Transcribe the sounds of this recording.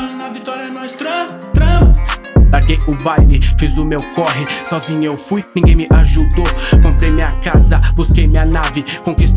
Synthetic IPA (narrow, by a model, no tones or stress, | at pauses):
mɐnɐvit̪ɔɾjɐnɔ̃st̪ɾɐ̃ | t̪ɾɐ̃ | laɾɡejʊbajlɪfizʊmewkɔɦɪsɔzĩɲɐewfujnĩɡẽj̃mɪʔaʒud̪okõnt̪ejmĩɐkazɐbuskejmĩɐnavɪkõkist̪